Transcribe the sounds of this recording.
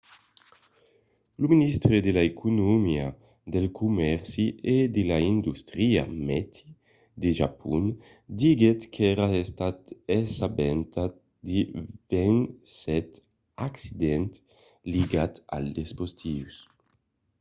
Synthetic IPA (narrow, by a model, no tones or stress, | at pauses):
luminist̪ɾed̪elaekunumia | d̪elkʰumɛɾsiʔed̪elaind̪ust̪ɾia̰mɛt̪ʰi̥ | d̪eʒa̰pʰṵn | d̪iɡet̪kʰɛɾaest̪at̪ɛsabɛnt̪a | d̪ivɛnsɛt̪ | aksid̪ɛnt̪ | liɡat̪a̰ld̪espost̪ʰius